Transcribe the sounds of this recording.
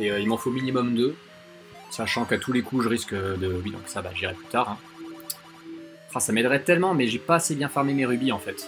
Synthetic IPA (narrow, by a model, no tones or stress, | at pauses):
eøilmɑ̃fominimɔmd̪ə | saʃɑ̃kat̪ʰulekuʒəʁiskəd̪əbid̪ɔ̃ksaba̰ʒiʁɛplyt̪aːʁɛ̃ | fɛ̃samɛd̪ʁɛt̪ɛlmɑ̃mɛʒepaːsebjɛ̃fɛʁmemeʁybiɑ̃fɛt̪